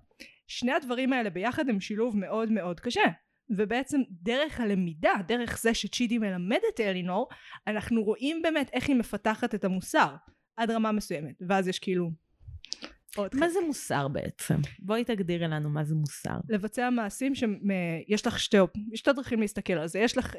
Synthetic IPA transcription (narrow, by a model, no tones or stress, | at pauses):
ʃne̞advɐʁimaele̞be̞jaχadhemʃiluvme̞ʔo̞dme̞o̞dkaʃe | vebeet͡se̞mdeʁe̞χhale̞midade̞ʁeχz̥eʃet͡ʃidime̞lame̞detelinoʁanaχnuʁo̞ʔimbe̞ːmete̞χhime̞fataχate̞tamusaʁ | adʁamamesuje̞metveazjeʃkeiːlu | odmazemusa̰ʁbḛʔḛt͡sḛmbo̞itaɡdiʁlanumazemusa̰ʁle̞vat͡seamaːsimʃeejeʃlaχʃtejʃt̪edʁaχimliist̪ake̞lalzejeʃlaχ